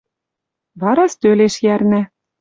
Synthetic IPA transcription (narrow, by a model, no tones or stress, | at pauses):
βɑɾɑst̪øleʃjærnæ